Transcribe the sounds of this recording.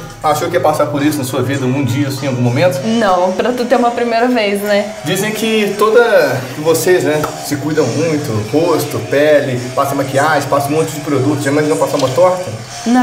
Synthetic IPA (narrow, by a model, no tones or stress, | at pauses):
aʃowkiɐpasapoɾisʊnɐsuɐvid̪ɐɡũd͡ʒiɐsĩawɡũmomẽnt̪ʊ̥nɐ̃w̃pɾɐt̪ut̪eũmɐpɾimejɾɐvejznɛ | d͡ʒizẽj̃kɪt̪od̪ɐ | voseznɛ | sɪkujd̪ɐ̃w̃mũj̃t̪ʊhost̪ʊpɛlɪpasɐ̃makiaʒẽpasɐ̃ũmõt͡ʃʊd͡ʒɪpɾod̪ut̪ʊzʒamajznɐ̃w̃pasaũmɐt̪ɔɾkɐ | nɐ̃